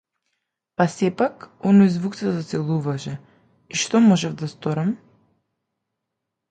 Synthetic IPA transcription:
pasɛpakɔnɔjzvukt̪sɛzat̪sɛlˠuvaʃɛ | iʃt̪ɔmɔʒɛvd̪ast̪ɔɾam

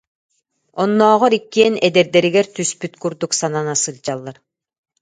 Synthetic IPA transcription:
ɔnːɔːʁɔɾikːiɛnɛd̪ɛɾd̪ɛɾiɡɛɾt̪yspyt̪kuɾd̪uksananasɯld͡ʑalˠːaɾ

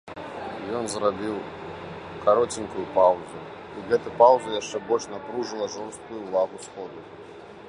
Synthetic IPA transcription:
jɔnzrabʲiw | kaɾɔt͡sʲinʲkujupawzu | iɣɛt̪ujpawzujaʂt͡ʂɛbɔlʲt͡ʂnapɾuʐɨlˠɐʐɔwst̪̚kujuːvaɣusxɔd̪u

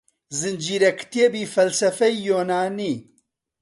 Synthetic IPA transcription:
zɨnd͡ʒiːɾɛkʰt̪iebiːfɐlsɐfɛjjoːnaːniː

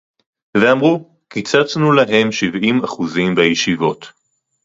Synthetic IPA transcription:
veamʁu | kit͡sat͡snulaɦe̞mʃivimaχuzimbajeʃivo̞t̪

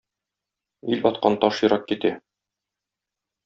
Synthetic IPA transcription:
ilɒt̪̚qɑnt̪ɒʃjɤ̆ɾɑp̚kit̪æ

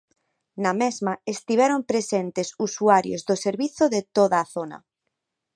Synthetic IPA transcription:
namezmaest̪iβɛɾompɾesent̪esusuaɾjo̰zðoseɾβiθoðet̪oðaːθona̰

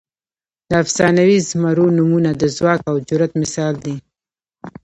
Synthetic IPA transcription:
d̪̥əafsɑnawizmaɾonumunad̪əzwɑkawd͡ʒʊɾat̪mɪsɑld̪i

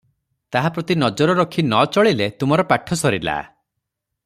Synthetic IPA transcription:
t̪aɦapɾɔt̪inɔd͡ʒɔɾɔɾɔkʰinɔt͡ʃɔɭilet̪umɔɾɔpaʈʰːɔsɔɾila̰

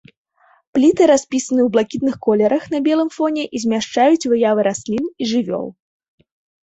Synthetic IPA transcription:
plʲit̪ɨɾasʲpʲisɐnɨwblˠakʲit̪̚nɨxkɔlʲɛɾɐxnɐbʲɛlˠɨmfɔnʲɛʔizʲmʲaʂt͡ʂajut͡sʲvɨjavɨɾasʲlʲiniʐɨvʲɔ̰lˠ

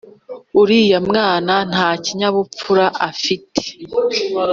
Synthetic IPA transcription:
uɾiːjamŋaːnan̥haːciɲaβup͡fuɾaʔafitʰe̥

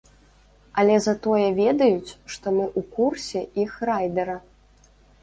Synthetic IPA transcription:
ɐlʲɛzɐt̪ɔjɛvʲɛd̪ɐjut͡sʲʂt̪ɔmɨʔukursʲɛixrajd̪ɐɾɐ

